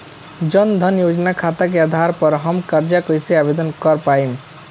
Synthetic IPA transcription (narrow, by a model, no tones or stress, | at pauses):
d͡ʒʌnd̪ʱʌnjod͡ʒnakʰat̪ak̬ead̪ʱaɾpəɾɦʌmkaɾd͡ʒakəjseabed̪ɔnkʌɾpain